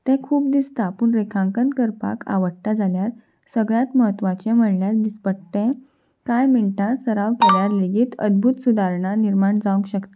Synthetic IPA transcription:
t̪ɛ̃kʰuːp̚d̪ist̪apuːɳɾekʰãŋkənt̪kəɾpa̰kʰa̰ʋəɽ̚t̪ad͡zʱaljaɾ | səɡɭjat̪məɦət̪ːʋat͡ɕɛ̃m̤əɳljaɾd̪ispəɽt̪ɛ̃ | kajmiɭʈasəɾaʋkeljaɾleɡiːt̪ə̰d̪̚bʱut̪sud̪ʱaɾɳaniɾmaɳd͡zaʋə̃ŋkɕəkt̪i̥

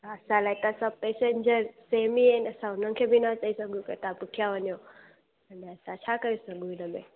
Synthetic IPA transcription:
əsalajt̪asapesend͡ʒəɾsemienəsaʊnəŋkʰebʱinat͡ʃəisəɡũkḛt̪apukʰjaʋənjo | əneəsat͡ʃʰakəɾisəɡũinəme

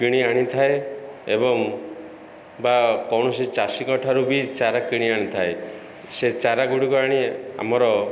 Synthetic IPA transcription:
kiɽ̃iaɽ̃it̪ʰaeebɔŋ | bakɔwɳɔsit͡ʃasikɔʈʰaɾubit͡ʃaɾakiɽ̃iaɽ̃it̪ʰae | set͡ʃaɾaɡuɽikɔaɽ̃ia̰m̤ɔɾɔ

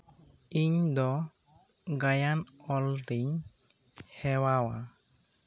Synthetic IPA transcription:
iɲd̪ɔ | ɡajanɔlɾiɲ | hɛwawa

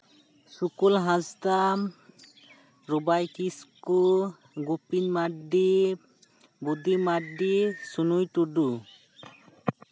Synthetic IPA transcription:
sukulɦãzt̪am | ɾubajkisku | ɡupinmaɖi | bud̪imaɖisunujʈuɖu

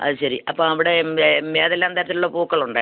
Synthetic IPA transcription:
ɐ̰ðɨɕɐɾiʔɐpːoːmɐʋiɽe̞meːðɐlːaːmt̪ajɾɐt̪ːiluɭːɐpuːkːɐɭuɳɖɨ

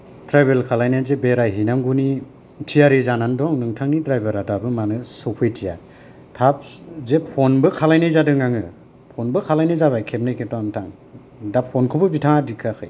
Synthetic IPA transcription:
tɾajbelkʰalajnazebeɾajɦinaŋɡuni | tʰijaɾizanandɔŋnɯŋtʰaŋnidɾajbeɾadabɯmanɯsɔwpʰɯjtʰija | tʰap̚zepʰɔnbɯkʰalajnɯjzadɯŋaŋɯ | pʰɔnbɯkʰalajnɯjzaβajkʰep̚nɯjkʰetɔntʰaŋ | dapʰɔnkʰɯbɯbitʰaŋadikʰakʰɯ̰j

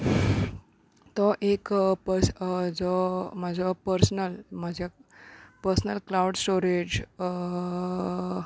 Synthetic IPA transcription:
t̪ɔʔekpəɾsd͡zɔmad͡zɔpəɾsnəlmad͡ʑʱjapəɾsnəlklawɽsʈoɾed͡ʑ

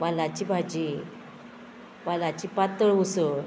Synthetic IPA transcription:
ʋalat͡ɕibʱad͡ʑi | ʋalat͡ɕiːpat̪əɭusəɭ

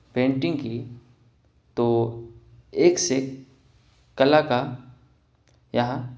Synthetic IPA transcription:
pẽːɳʈɪ̃ŋɡki | t̪o | eːkse | kːɐlaka | jɐɦã

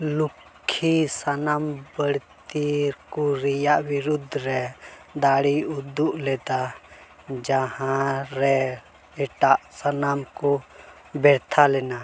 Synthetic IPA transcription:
lukʰːisanaːmbəɽtt̪iɾkuɾijaʔwiɾud̪ʱɾɛd̪aːɽiʊd̪ːuʔlɛt̪a | d͡ʒahãɾɛ | ɛʈaʔsənaːmkɔ | bɛɾt̪ʰalɛːna

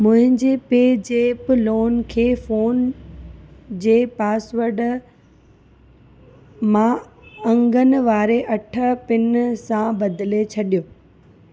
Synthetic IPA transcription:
mʊ̃ɦɪ̃ɲd͡ʑeːpeːd͡ʑeːploːnkʰeːfoːn | d͡ʑeːpaːsʋəɾɖ | mãɐ̃ŋɡənɪ̆ʋaːɾeʔɐʈʰə̆pɪnsãbɐd̪ɪlet͡ɕʰɐɗijoː

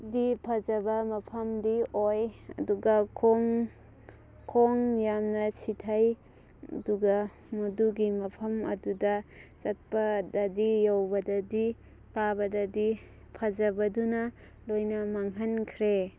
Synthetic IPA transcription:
dipʰɐzɐbɐmɐpʰɐmdiojɐ̰duɡɐkʰoŋ | kʰoŋjamnɐsitʰaj | ɐ̰duɡɐ | muduɡimɐpʰɐmɐ̰dudɐt͡ʃɐt̚pɐdadijawbɐdɐdi | kabɐdɐdi | pʰɐzɐbɐdunɐ | lojnɐmaŋɦankʰɾe

